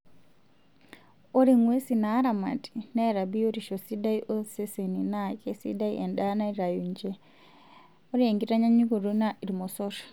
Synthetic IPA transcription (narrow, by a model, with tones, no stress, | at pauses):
o˦ɾi˨ŋwe˦si˨naː˦ɾa˨ma̰˨ti̥na˦ɾa˨bi˦o˦ɾiʃo˨si˦da˦iʔo˦se˦se˨ninake˦sḭ˦da˦ḭʔɛ˨nda˦na˦iɾa˨ju˨ɲd͡ʒe | oɾi˦e˨ŋɡi˦ta˦ɲa˦ɲu˦ɡo˨ɾo˦na˦ʔi˨ɾimo˨sɔtḁ